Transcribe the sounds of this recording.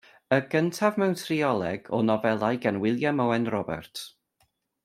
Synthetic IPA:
əɡəntʰavmɛwntʰriɔlˠɛɡ̥ɔ̰nɔvɛlˠajɡanwɪlˠjamɔɛnrɔbɛ̰rtʰ

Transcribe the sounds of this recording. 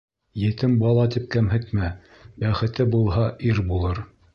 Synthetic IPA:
jɘ̆t̪ɘmbɑlˠɑt̪ip̚kæmɦɘ̆t̪mæ | bæχɘ̆t̪ɘbulˠɦɑʔiɾbulˠɤɾ

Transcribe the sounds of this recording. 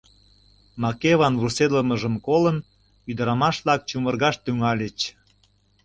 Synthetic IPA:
mɑkeβɑnβursed̪ləməʒəmkolən | yd̪əɾɑmɑʃlɑk̚t͡ɕumərɣɑʃt̪yŋɑlʲet͡ɕ

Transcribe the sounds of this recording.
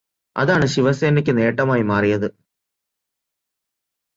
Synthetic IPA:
ɐ̰ðaːɳɨɕiʋɐseːnɐk̬ʲːɨne̞ːʈːɐmaːjimaːrijɐðɨ

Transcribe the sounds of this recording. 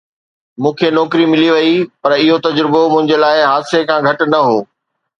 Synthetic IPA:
mũːkʰenɔːkɾimɪliʋɐipɐɾɪɦot̪ɐd͡ʑɾɪbomʊ̃ɦɪ̃ɲd͡ʑelaːɪɦaːsekʰãɡʱɐʈʊ̆nɐɦoː

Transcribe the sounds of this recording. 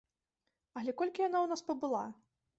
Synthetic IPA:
ɐlʲɛkɔlʲkʲijanawnaspɐbɨlˠa

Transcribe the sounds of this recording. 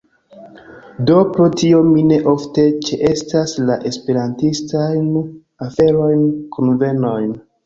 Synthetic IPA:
do̞pɾotio̞mine̞ʔo̞fte̞t͡ʃeʔe̞staslaʔe̞spe̞ɾantistajn | afe̞ɾo̞jnkʰunve̞no̞jn

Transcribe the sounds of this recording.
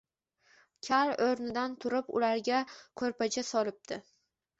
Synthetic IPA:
kʲʰaloɾnɪd̪ant̪ʰʊɾɪpʊ̰laɾɡʲakʰɵɾpat͡ʃʰasɒlɪp̚d̪̥ɪ

